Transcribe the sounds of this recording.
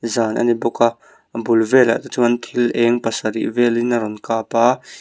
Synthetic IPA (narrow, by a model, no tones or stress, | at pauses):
zaːnʔɐ̰nibɔka | bulvɛla̰ʔt̪ut͡suɐnt̪ʰilɛŋpɐsɐɾḭʔvɛlinɐɾɔnkaːpaː